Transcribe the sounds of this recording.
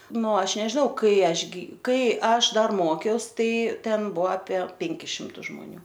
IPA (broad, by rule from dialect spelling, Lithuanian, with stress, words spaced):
ˈnʊ ˈɐʃ nʲɛʒʲɪˈnɐʊ ˈkɐɪ ˈɐʃ ɡʲɪ ˈkɐɪ ˈɐʃ ˈdɐr ˈmoːkʲɛʊs ˈtɐɪ ˈtʲɛn ˈbʊɐ ɐpʲiɛ ˈpʲɛŋʲkʲɪs ˈʃʲɪmtʊs ʒmoːˈnʲuː